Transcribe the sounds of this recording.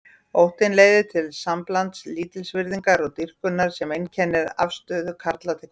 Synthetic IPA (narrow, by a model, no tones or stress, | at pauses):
owht̪ɪnleːjðɪt̪ʰɪlsamplant̪sliːt̪ɪlsvɪɾðiŋkaɾɔɣt̪ir̥kʏnːaɾ̥sɛmejncʰɛnːɪɾafst̪œːðʏkʰaɾt̪lat̪ʰɛk